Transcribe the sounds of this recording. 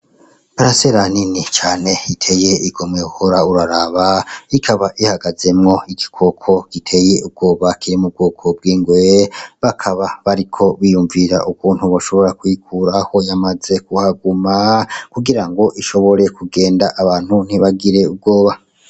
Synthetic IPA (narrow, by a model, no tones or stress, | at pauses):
paɾaseɾaninit͡ʃaːne̞itʰe̞je̞iɡo̞mŋeuhoɾauɾaɾaβaikʰaβaʔihaɡaze̞mŋo̞iɡikʰo̞kʰo̞ɡ̥itʰe̞je̞ʔub̚ɡo̞ːβakʰiɾimub̚ɡuːkʰo̞b̚ɡiːŋɡweβakʰaβaβaɾikʰo̞βijuɱviɾa̰ʔukuːn̥huβaʃo̞βo̞ɾakwikʰuɾaho̞jamaze̞kuhaɡumakuɡiɾaŋɡo̞ʔiʃo̞βo̞ɾe̞kuɡe̞ːndaʔaβaːn̥hun̥iβaɡiɾe̞ub̚ɡo̞ːβa